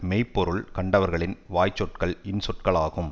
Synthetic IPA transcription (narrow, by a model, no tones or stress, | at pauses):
mɛɪpːɔɾɯɭkɐɳɖɐʋɐɾɣɐɭɪnʋaːjt͡ʃːɔʈkɐɭɪnsɔʈ̚kɐɭaːɣɯm